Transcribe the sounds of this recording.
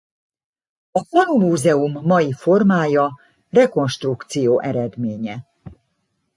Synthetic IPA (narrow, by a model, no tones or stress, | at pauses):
ɒpɒnumuːzɛumːɒjifo̞rmaːjɒ | rɛko̞nʃt̪rukt̪sijoːʔɛɾɛd̪meːɲɛ